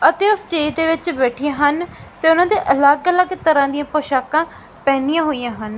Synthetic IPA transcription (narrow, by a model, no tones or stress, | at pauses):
ət̪eːoːsʈeːd̪eːʋɪt͡ʃbɛːʈʰɪjãːɦənt̪eːʊnãːd̪eːʔələɡələɡt̪əɾãːd̪ijãːpoːʃaːkãː | pɛːnijãːɦoːijãːɦən